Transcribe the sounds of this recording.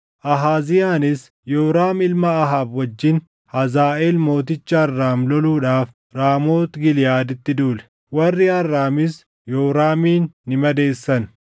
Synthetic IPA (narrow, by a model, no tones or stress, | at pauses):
ʔɐɦaːzɪjaːnɪs | jɔːɾaːmɪlmɐːɦaːbwɐd͡ʒːɪn | hɐzaːʔeːlmo̞ːt̪̬ɪt͡ʃːɐːrːaːmlɔluːᶑaːf | ɾaːmo̞ːt̪ɡɪlɪjaːd̪ɪt̪ːɪd̪uːlɛ̥ | wɐrːɪɐrːaːmɪs | joːɾaːmiːnːɪmɐd̪e̞ːsːɐn